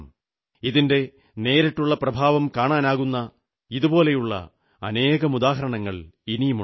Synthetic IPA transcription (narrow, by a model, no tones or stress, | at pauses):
m | iðinde̞ | ne̞ːɾɐʈːuɭːɐprɐbʱaːʋɐmkaːɳaːnaːɣunːɐ | iðubo̞ːle̞juɭːɐ̰ | ɐne̞ːɣɐmud̪aːɦɐɾɐɳɐŋːɐɭinimu